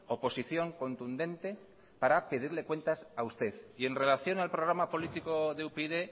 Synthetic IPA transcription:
o̞po̞siθjo̞ŋko̞nt̪und̪ẽ̞nt̪e̞ | paɾape̞ð̞iɾle̞kwe̞nt̪asaust̪e̞ðie̞nre̞laθjo̞nalpɾoɣɾamapo̞lit̪ikoðeupeiðe

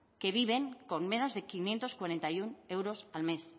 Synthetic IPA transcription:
ke̞β̞iβ̞e̞ŋko̞nme̞no̞zðe̞kinje̞nt̪oskwaɾe̞nt̪ajune̞wɾosalme̞s

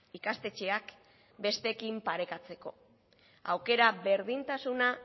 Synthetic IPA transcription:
ikast̪e̞t͡ʃe̞ak | be̞st̪e̞kimpaɾe̞kat͡se̞ko̞ | awke̞ɾaβe̞ɾð̞int̪asuna

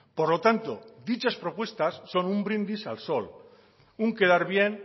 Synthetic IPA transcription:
poɾlot̪ant̪od̪it͡ʃaspɾopwe̞st̪asːo̞numbɾind̪isa̰lsol | uŋke̞ðaɾβjen

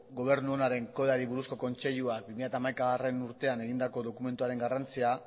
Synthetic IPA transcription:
ɡo̞β̞e̞ɾnuonaɾe̞ŋkoaɾiβuɾusko̞ko̞nt͡se̞ʎuak̚bimiʎjat̪aːmajkaare̞nuɾt̪e̞ane̞ɣind̪ako̞ðo̞kume̞nt̪uaɾe̞ŋɡarant͡sia

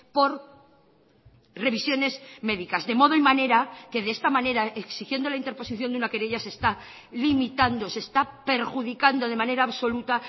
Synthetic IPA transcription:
po̞ɾ | re̞βisjo̞ne̞zme̞ðikazðe̞mo̞ð̞oimane̞ɾake̞ðe̞est̪amãne̞ɾaʔeksixje̞nd̪o̞laint̪e̞ɾpo̞siθjo̞nd̪unake̞ɾeʝase̞st̪a | limit̪and̪o̞se̞st̪ape̞ɾxuðikand̪o̞ð̞e̞mane̞ɾaːβso̞lut̪a

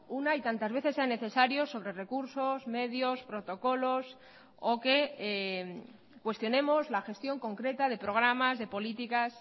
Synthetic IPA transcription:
unait̪ant̪azβe̞θeseane̞θe̞saɾjo̞sːo̞βɾe̞re̞kuɾso̞zme̞ðjo̞spɾo̞t̪o̞ko̞lo̞s | oke̞ | kwe̞st̪jo̞nẽ̞mo̞zlaxe̞st̪jo̞ŋko̞ŋkɾe̞t̪að̞e̞pɾo̞ɣ̞ɾamazðe̞po̞lit̪ikas

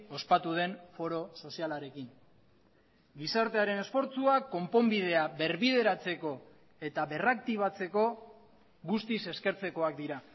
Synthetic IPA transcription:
o̞spat̪uð̞e̞nfo̞ɾo̞so̞sialaɾe̞kiŋ | ɡisaɾt̪e̞aɾe̞ne̞sfo̞ɾt͡suakːo̞mpo̞mbið̞e̞aβe̞ɾβiðe̞ɾat͡se̞ko̞ | e̞t̪aβe̞rak̚t̪iβ̞at͡se̞ko̞ | ɣust̪ise̞ske̞ɾt͡se̞ko̞ak̚d̪iɾa

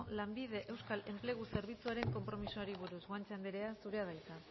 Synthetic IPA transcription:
lambið̞e̞ʔe̞wskale̞mple̞ɣuse̞ɾβ̞it͡suaɾe̞ŋko̞mpɾo̞misuaɾiβ̞uɾusɣwant͡sand̪eɾe̞asuɾe̞aðajt͡s̪a

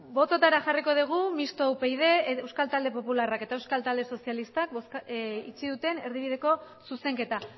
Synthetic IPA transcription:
bo̞t̪o̞t̪aɾaʝariko̞ð̞iɣ̞umist̪owpejð̞e̞ewskalt̪ald̪e̞po̞pularake̞t̪aewskalt̪ald̪e̞so̞sijalist̪ak̚sit͡ʃiðut̪e̞ne̞ɾðiβ̞ið̞e̞ko̞ | suse̞ŋke̞t̪a

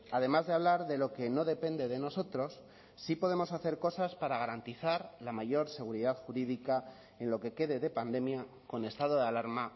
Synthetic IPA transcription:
aðe̞mazðeaβ̞laɾðe̞lo̞ke̞no̞ðe̞pe̞nd̪e̞ðe̞no̞so̞t̪ɾo̞sː | ipo̞ðe̞mo̞saθe̞ɾko̞saspaɾaɣ̞aɾant̪iθaɾlamaʝo̞ɾse̞ɣ̞uɾiðaðxuɾiðika | e̞nlo̞ke̞ke̞ðe̞ðe̞pand̪e̞mja | ko̞ne̞st̪að̞o̞ð̞alaɾma

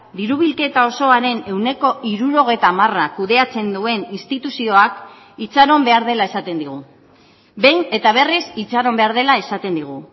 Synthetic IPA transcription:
d̪iɾuβ̞ilke̞t̪ao̞so̞aɾe̞ne̞wne̞ko̞ʔiɾuɾo̞ɣ̞e̞jt̪aːmarakuðe̞at͡se̞nd̪ue̞ninst̪it̪usio̞ak | it͡saɾo̞mbe̞aɾð̞e̞lae̞sat̪e̞nd̪iɣ̞u | be̞jne̞t̪aβ̞e̞risit͡saɾo̞mbe̞aɾð̞e̞lae̞sat̪e̞nd̪iɣ̞u

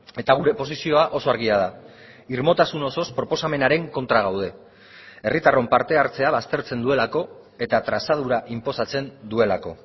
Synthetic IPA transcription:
e̞t̪aɣ̞uɾe̞po̞sisio̞aʔo̞so̞aɾɣiað̞a | iɾmo̞t̪asunoso̞spɾo̞po̞same̞naɾe̞ŋko̞nt̪ɾaɣ̞awð̞e̞ | e̞rit̪aro̞mpaɾt̪e̞aɾt͡se̞aβ̞ast̪e̞ɾt͡se̞nd̪ue̞lako̞ | e̞t̪at̪ɾasað̞uɾaʔimpo̞sat͡se̞nd̪ue̞lako̞̰

